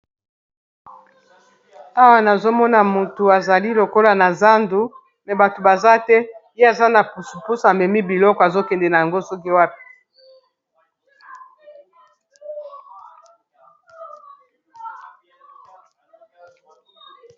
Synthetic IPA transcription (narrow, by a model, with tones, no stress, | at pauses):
a˦wa˨na˨zo˦mɔ˦na˨mu˨tu˨a˨za˨li˦lo˨ko˦la˨na˨za˦ndu˨ | mɛ˨ba˨to˨ba˨za˦tɛ˦je˦a˨za˦na˨pu˨su˨pu˦sa˨mɛ˨mi˦bi˨lɔ˦kɔ˨a˨zo˦kɛ˨ndɛ˨na˨ja˨ŋɡo˦sɔ˦ki˦wa˦pi̥˨˦